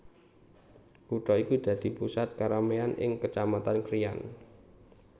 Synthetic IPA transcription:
kuʈɔikud̪̥ä̤d̪̥i̤pusat̪̚kaɾameanʔɪ̰ŋkət͡ʃamat̪ankɾija̰n

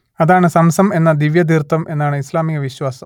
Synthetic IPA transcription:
ɐðaːɳɨsɐmsɐme̞nːɐd̪iʋjɐd̪irt̪ːɐme̞nːaːɳɨislaːmiɣɐʋiɕwaːsɐm

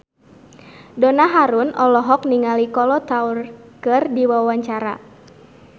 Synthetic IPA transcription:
dɔnaɦaɾʊnʔɔlɔɦɔk̚niŋalikɔlɔt̪aurkɨrdiwawaɲt͡ʃaɾa̰

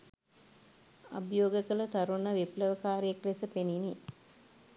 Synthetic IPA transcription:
abjoːɡəkələt̪aɾunəʋepləʋəkaːɾijeklesəpenini

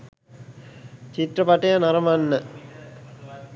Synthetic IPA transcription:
t͡ɕit̪rəpaʈejanɐɾɐmanːə

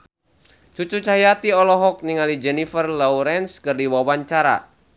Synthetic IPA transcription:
t͡ʃut͡ʃut͡ʃaɦijat̪iɔlɔɦɔk̚niŋalid͡ʒɛnifərlɔuɾɛnskɨrdiwawaɲt͡ʃaɾa̰

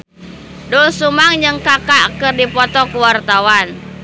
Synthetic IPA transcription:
dulsumaŋd͡ʒɨŋkakakɨrdipɔt̪ɔkuwart̪awan

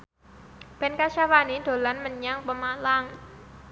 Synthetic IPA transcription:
b̥ɛ̤nkaʃawanid̪̥o̤lanməɲaŋpəmalaŋ

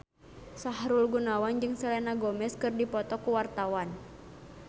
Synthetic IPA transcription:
saɦɾulɡunawand͡ʒɨŋsɛlɛnaɡɔmɛskɨrdipɔt̪ɔkuwart̪awan

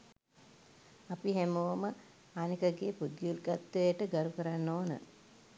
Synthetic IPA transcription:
apiɦemoʋəmə | anikəɡeːpud̪julɡat̪ːəjəʈəɡaɾukəɾanːoːnə̰

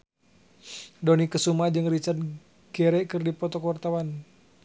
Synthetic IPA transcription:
dɔnikəsumad͡ʒɨŋrit͡ʃard̪̚ | ɡ̥ɛɾɛkɨrdipɔt̪ɔkəwart̪awan

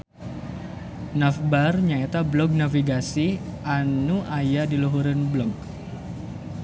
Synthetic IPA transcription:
nafbarɲaet̪ablɔk̚nafiɡasiʔanuʔajadiluɦuɾɪnblɔk̚

